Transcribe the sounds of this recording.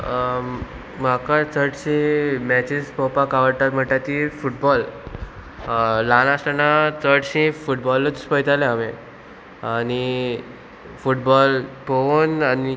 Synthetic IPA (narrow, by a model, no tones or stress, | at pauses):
makat͡səʈɕẽmɛt͡ɕispɔpakaʋəɽt̪at̪m̤əɳʈ̪at̪ifuʈ̚bɔl | lanasʈ̪anat͡səʈɕĩfuʈbɔlət͡spəjt̪aleame | añi | fuʈbɔlpoonani